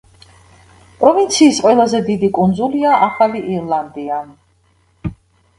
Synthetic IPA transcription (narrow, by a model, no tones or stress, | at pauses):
pʼɾɔvint̪sʰiːsqʼwɛlˠazɛd̪id̪ikʼund̪zuliaʔaχaliʔiɾlˠand̪ian